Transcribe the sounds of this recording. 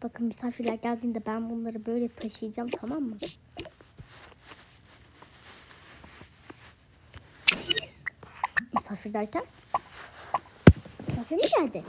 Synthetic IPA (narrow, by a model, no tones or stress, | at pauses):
b̥akʰɯnmysaːfiɾlʲæɾɟælʲd̪iːnd̪ɛbænbunlˠaɾɯbø̞jlʲɛt̪ʰaʃɯjɯd͡ʒamt̪ʰamamːɯ | mysaːfiɾd̪æɾcʰæn | mysaːfiɾmiɟælʲd̪ɪ